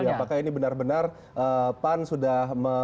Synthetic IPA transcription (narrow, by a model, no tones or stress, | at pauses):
aapakainibənarbənar | ʔəpansudahmə